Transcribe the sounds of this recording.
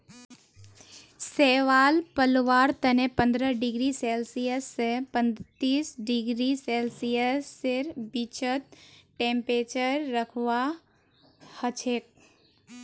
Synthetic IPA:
seːʋaːlpəlʋaːɾt̪ənepə̃nd̪ɾəɖɪɡɾiseːlsijəsːepə̃nt̪iːsɖɪɡɾiseːlsijəsːɪɾbit͡ʃət̪̚ʈẽːmpɾeːt͡ʃəɾːəkʰwa | hət͡ʃʰeːk̚

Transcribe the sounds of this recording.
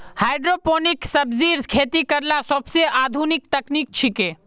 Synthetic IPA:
hajɖɾoponiksəbziɾkʰet̪ikəɾlasəbseʔad̪ʱunik̚t̪əknik̚t͡ʃʰike

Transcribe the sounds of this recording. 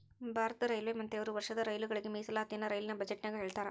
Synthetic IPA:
bʱaːɾɐt̪ɐɾɐjlʋeːmɐnt̪eɐʋɐɾuʋɐɾʂɐd̪ɐɾɐjluɡɐɭiɡemiːsɐlaːt̪jinːɐɾɐjlinɐbɐd͡ʒeʈnaːɡeɦe̞ːɭt̪aːɾe

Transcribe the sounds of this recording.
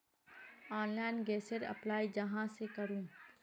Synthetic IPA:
ɔ̃ːnlaːɪnɡɛːsəɾɐ̰plaːid͡ʒɐɦãsekɐɾũː

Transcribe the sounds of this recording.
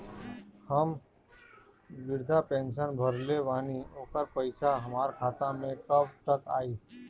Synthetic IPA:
həm | ʋɪɾd̪ʱapẽːnʃənbʱəɾleʋaːnioːkəɾpəɪt͡ʃʰaɦəmaːɾkʰaːt̪ãmẽkəbt̪əka̰ːiː

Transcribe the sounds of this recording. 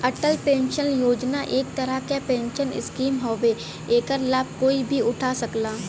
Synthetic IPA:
ɐʈəlpẽːnʃənjoːd͡ʒnaʔeːk̚t̪əɾəkapẽːnʃənɪ̰skiːmɦoːʋe | eːkəɾlaːb̚ʱkoːibʱiʊʈʰasəklaː

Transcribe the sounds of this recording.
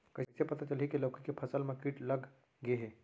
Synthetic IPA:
kəɪsepɐt̪at͡ʃəlɦikiləwkikepʰɐsəlmãkiʈləɡ | ɡeɦe

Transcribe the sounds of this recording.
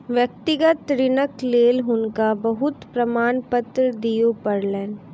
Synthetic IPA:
ʋjɐk̚t̪ɪɡət̪ɾɪnəkleːlɦʊnkabɐɦʊt̪pɾɐmaːnpət̪ɾəd̪ijopɐɾlɛːn

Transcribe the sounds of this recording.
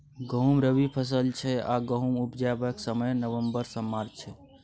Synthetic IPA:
ɡəɦumɾəbipʰəs̬əlt͡ʃʰɛaɡəɦumupd͡ʒabəksəməjnəʋəmbəɾsəmːaɾt͡ʃʰɛ

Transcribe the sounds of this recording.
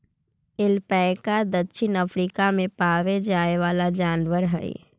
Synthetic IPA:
ɪlpɛːkad̪ɐtːʃɪnɐfɾiːkamẽpaːʋed͡ʒaːeʋaːlad͡ʒaːnʋəɾɦɛ̰ḛ

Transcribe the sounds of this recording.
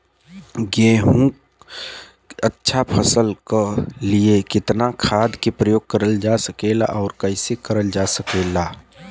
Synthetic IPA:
ɡẽːɦũ | ətːʃʰapʰəsəlkliekɪt̪nakʰaːd̪kepɾəjoːɡ̚kəɾəld͡ʒaːsəkeːla̰ʔɔːɾkəɪsekəɾəld͡ʒaːsəkeːlaː

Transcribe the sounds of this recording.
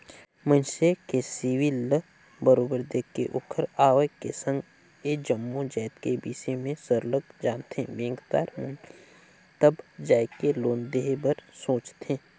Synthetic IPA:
mə̃nʃekesiːʋilə | bəɾoːbəɾd̪eːkeʔoːkʰəɾaːʋəkesə̃ŋɡ | eːd͡ʒəmːõd͡ʒɛːt̪kebiːsemẽsəɾləɡ̪̚d͡ʒaːnt̪ḛ̃bẽːŋɡt̪a̰ːɾmʊ̃n | t̪əbd͡ʒaːjkeloːnd̪eːɦebəɾsoːt͡ʃt̪ẽː

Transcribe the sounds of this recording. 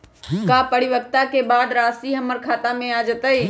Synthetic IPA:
kapəɽiʋək̚t̪akebad̪ɾasiɦəmːəɾkʰat̪amẽad͡ʒət̪əj

